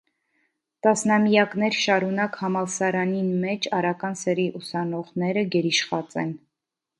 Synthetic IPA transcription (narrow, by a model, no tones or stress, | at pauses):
t̪ɑsnɑmijɑknɛɾʃɑɾunɑkhɑmɑlsɑɾɑninmɛt͡ʃʰɑɾɑkɑnsəɾiʔusɑnɔʁnɛɾəɡɛɾiʃχɑt͡sɛ̰n